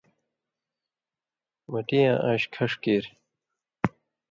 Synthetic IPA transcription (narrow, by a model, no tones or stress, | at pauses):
mɐʈijãːʔaːɕkʰɐʂkeːɾ